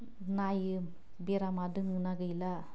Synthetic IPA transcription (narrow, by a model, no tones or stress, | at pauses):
naj | beɾamad̪ɯŋɯnaɡəjla